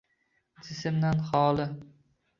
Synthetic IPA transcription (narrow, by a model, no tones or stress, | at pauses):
d͡ʒɪsɪmd̪anχɒːlˠɪ